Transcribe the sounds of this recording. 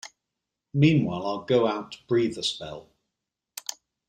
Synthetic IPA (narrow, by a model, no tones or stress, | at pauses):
mĩːnwaɪlaɪlˠɡoʊaʊtʰəb̥ɹiːðəspɛ̰lˠ